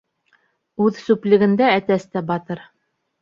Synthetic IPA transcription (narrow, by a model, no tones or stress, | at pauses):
ʉðsʉplɘ̆ɡɘ̆nd̪ææt̪æst̪æbɑt̪ɤɾ